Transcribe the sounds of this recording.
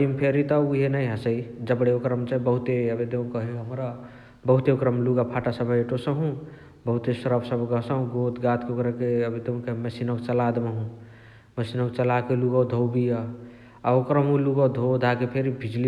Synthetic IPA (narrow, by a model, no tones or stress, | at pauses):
ɽimpʰeɾit̪ɔuɦenəjɦəsəid͡ʒəbɽeokɾəmt͡ʃaibəɦut̪eəbed̪eũkəɦeɦəmɾa | bəɦut̪eokɾəmluɡapʰaʈasəbeʈosəɦũ | bəɦut̪esəɾəbsəbʱɡəsə̃ɦũɡot̪ɡat̪ʰkeokɾəkeəbed̪eũkəɦməsinokt͡ʃəlad̪meɦũ | məsinok̚t͡ʃəlakeluɡəd̪ʱowbija | aokɾəmɦũluɡəd̪ʱod̪ʱakepʰeɾibʱid͡ʒli